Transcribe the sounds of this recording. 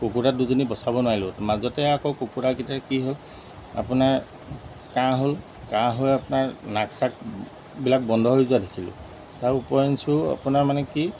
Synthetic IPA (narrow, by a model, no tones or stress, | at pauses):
kokuɹaduzinibɔsabɔnʊwaɹilʊmazɔtɛakɔkokuɹakitakiɦol | a̰pʊnaɹ | kãɦol | kãɦojapʊnaɹnaksak̚ | bilak̚bɔndʱɔɦojzuadekʰilʊ̰̃ | tawupɔjɔnsua̰punaɹmanɛki